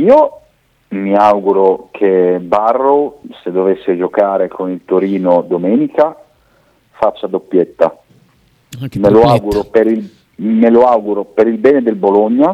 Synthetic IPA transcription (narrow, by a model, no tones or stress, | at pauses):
iːo | miawɡuɾokʰebarːosed̪ːovesːed͡ʒokaːɾekʰonilt̪oɾiːnod̪omɛːnika | fat͡ʃːad̪opːjet̪ːa | meloawɡuɾopeɾil | meloawɡuɾopeɾilbɛːned̪elboloɲːa